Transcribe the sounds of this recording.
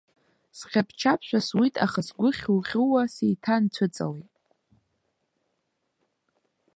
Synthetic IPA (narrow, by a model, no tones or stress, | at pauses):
sχʲapʰt͡ʃʰapʰʃʷᶣaswitʼʰaχasɡʷʊχʲuχʲuwasejtʰant͡ɕʷʰʊt͡sʼa̰wejtʼ